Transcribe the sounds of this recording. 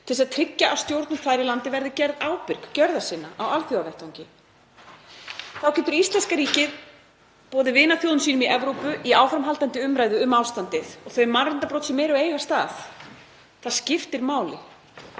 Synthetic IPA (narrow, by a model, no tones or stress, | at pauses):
t̪ʰɪlsaðt̪ʰɾɪcːaʔːst̪jowɾt̪nʏmθajɾɪlant̪ɪvɛɾðɪcɛɾðaːwpɪɾ̥kcœɾðḁsɪːnaʔawalθjowavɛht̪awŋɲcɪ | θawcʰɛnt̪ʏɾist̪lɛnskaɾiːcɪð | pɔːðɪvɪːnaθjowðʏnsiːnʏmiʔɛvɾowpʏʔiaːwfɾamɦalt̪ant̪ɪʏmɾaːjðʏʏmawst̪ant̪ɪðɔɣθœɥmarɪnt̪apɾowt̪sɪmːeːjɾʏejɣast̪aːθ | θaðscɪft̪ɪɾmaːwlɪ̰